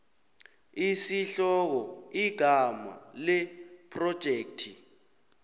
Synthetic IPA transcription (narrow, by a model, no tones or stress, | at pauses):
isiɬɔk̬ɔiɡ̥ʱama̰lɛpʰrɔd̥ʒ̥ʱeːk̚tʰi